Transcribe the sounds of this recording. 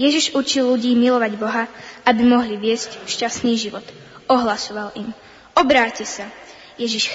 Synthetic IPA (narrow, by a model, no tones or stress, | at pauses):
jɛʒiʒut͡ʃilːuɟiːmilɔʋaɟbɔɦaabimɔɦliʋɪɛscʃcast̪niːʒiʋɔt̪ | ɔɦlasɔʋalim | ɔbɾaːcɛsa | jɛʒiʃ